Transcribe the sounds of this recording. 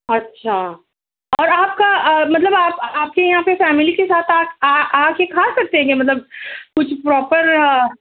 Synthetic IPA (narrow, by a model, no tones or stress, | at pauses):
ɐtːʃʰaː | ɔːɾaːp̚kaəmɐt̪ləbaːpaːp̚kejɐɦãpefɛːmɪlikesaːt̪ʰaːkaːaːkjekʰasɐk̚t̪ẽɡemɐt̪̬ləb̚kʊt͡ʃʰpɾɔːpəɾ